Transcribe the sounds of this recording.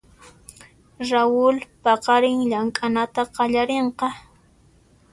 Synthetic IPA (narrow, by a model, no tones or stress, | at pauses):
ɾawʊlpɑqɑɾɪŋʎaŋkʼanat̪aqɑʎaɾeɴqɑ